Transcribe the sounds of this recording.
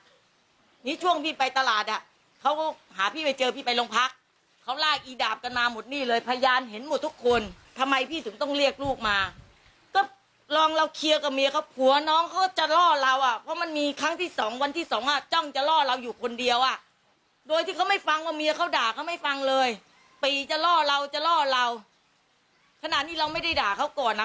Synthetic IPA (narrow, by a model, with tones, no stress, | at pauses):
niː˦˥t͡ɕʰu˥˩əŋpʰiː˥˩pa˧jt̪a˧laː˨˩t̪̚ʔa˨˩ | kʰa˦˥wkɔ˥˩haː˩˦pʰiː˥˩pa˧jt͡ɕɤː˧pʰiː˥˩pa˧jlo˧ŋpʰa˦˥k̚ʰː | a˦˥wlaː˥˩k̚ʔiː˧daː˨˩p̚ka˧nmaː˧mo˨˩t̪̚niː˥˩lɤː˧jpʰa˧jaː˧nɦe˩˦nmo˨˩t̪ʰːu˦˥kʰːo˧nt̪ʰa˧mːa˧jpʰiː˥˩ɯ˩˦ŋt̪ɔ˥˩ŋɾi˥˩ək̚luː˥˩k̚maː˧ | kɔː˥˩ | lɔː˧ŋɾa˧wkʰi˧əka˨˩mi˧a˧kʰa˦˥wpʰu˨˩˦ɐnɔː˦˥ŋkʰa˦˥wkɔ˥˩t͡ɕa˨˩lɔː˥˩la˧wʔa˨˩pʰɔ˦˥ma˧nmiː˧kʰɾa˦˥ŋt̪ʰiː˥˩sɔː˩˦ŋwa˧nt̪ʰiː˥˩sɔː˩˦ŋʔa˨˩t͡ɕɔ˥˩ŋt͡ɕa˨˩lɔː˥˩ɾa˧wjuː˨˩kʰo˧ndi˧əwʔa˨˩ | doː˧jt̪ʰiː˥˩kʰa˦˥wma˥˩jfa˧ŋwaː˧˩miː˧a˧kʰa˦˥wdaː˨˩kʰa˦˥wma˥˩jfa˧ŋlɤː˧j | piː˨˩t͡ɕa˨˩lɔː˥˩la˧wt͡ɕa˨˩lɔː˥˩la˧w | kʰa˧na˨˩t̪̚niː˥˩ɾa˧wma˥˩jda˥˩jdaː˨˩kʰa˦˥wkɔː˨˩nʔa˦˥